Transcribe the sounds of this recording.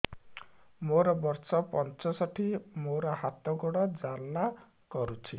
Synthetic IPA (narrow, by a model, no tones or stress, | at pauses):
moɾɔbɔɾsɔpɔnt͡ʃɔsɔʈʰimoɾɔhat̪ɔɡɔɽɔd͡zalla | kɔɾut͡ʃʰi